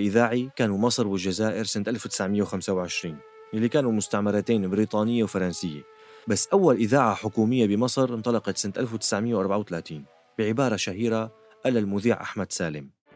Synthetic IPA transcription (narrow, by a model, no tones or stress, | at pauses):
ʔɪðaːʕikaːnumɑsˤɾwɪld͡ʒazaːʔɪɾsant̪ʔalfwt̪ɪ̥sʕmɪjːawxamsawʕɪʃɾiːn | ʔɪlːikaːnumʊst̪aʕmɑɾˤɑt̪eːnbɾiːt̪ˤɑːnɪjːawfɑɾˤɑnsɪjːa̰ | basːʔawːalʔɪðaːʕaħʊkuːmɪjːabɪmɑsˤɾnt̪ˤɑlɑqɑt̪sant̪ʔalfwt̪ɪ̥sʕmɪjːawʔɑɾˤbaʕawt̪alaːt̪iːn | b̥ɪʕɪbɑːɾˤɑʃaɦiːɾa | ʔalalmʊðiːʕʔa̰ħmad̪saːlɪm